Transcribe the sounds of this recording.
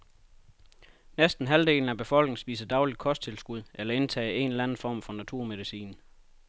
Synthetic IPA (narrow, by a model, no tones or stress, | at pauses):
nesd̥n̩ɦæld̥e̝̰ːln̩æb̥e̝fɒ̽l̰ɡ̥neŋsb̥ḭːsɐd̥ɑ̈ʊli̥kʰɒ̽sd̥̚t͡sʰe̝lsɡ̥uð̞̰ˠʔelɐe̝nt͡sʰɛ̰ːe̝nlænn̩fɒ̰ːmfɒ̽næt͡sʰuɐ̰með̞ˠisḭːn